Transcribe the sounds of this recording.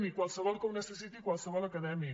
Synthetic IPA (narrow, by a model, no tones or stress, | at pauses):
mikwalsɐvɔlkomnɛsesit̪ikwalsɐvɔlakːad̪ɛmi